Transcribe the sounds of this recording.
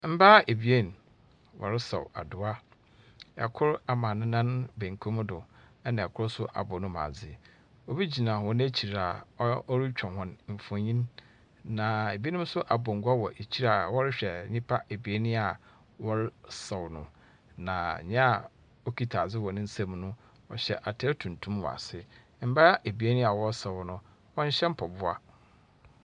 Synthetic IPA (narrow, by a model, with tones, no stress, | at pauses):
m̩˦baː˦e˨bi˨e˦˨n˨ | wʔɔ̰˨ɾɪ˦sɔ̰˨wa̰˨dʊ˨a˦ | ɛ̰˨kʰʊ˦ɾa˨mã˨nʊ̃˦nã˦nbẽ˨ŋ˨kʰo˦m˦dʊ˨ɛ˦nã˨ɛ˨kʰʊ˦ɾsʊ˦ʔa̰˨bɔ˨nʊ̃˦mã̰ː˨d͡zɪ˦˨ | o˦bi˦d͡ʑi˨nã˨wɔ̃˨ñ˦æ˦t͡ɕʰi˨ɾa˨˦ɔ˦ɾi˦t͡ɕᶣʰɔ̃˨hɔ̃˨nm̩˨fɔ̃˨ɲĩ˦n | nã˨e˨bi˦e˦nɪ̃˦m˦sʊ˦ʔa˨bɔ̃˨ŋ̩˨ɡʷa˦wɔ˨ʔe˨t͡ɕʰi˦ɾa˨wɔ˦ɾɪ˦ɕᶣɛ˨ɲɪ̃˦pʰa˦e˨bi˨e˦nɪ̃˦a˨ | wɔ˦ɾɪ˦sɛ˨wnʊ̃˨ | nã˨ɲɛ̃˦a˨ | ɔ˦kʰi˦tʰa˨d͡zɪ˦wɔ˨nɪ̃˦n̩˦sã˦mnʊ̃˦ | ɔ̰˨ɕɛ˨ʔa˨tʰɛ˦tʰũ˨ntʰũ˦mwɔ̰˨a̰˨sɪ˦ | m̩˦ba˦ɾa˦ʔe˨bi˨˦e˦nĩ˦a˨wɔ˦sɛ˨wnʊ̃˦ | wɔ̃˦ɲ̩˦ɕɛ̃˦m̩˦pʰɔ˨bʊ˦a˦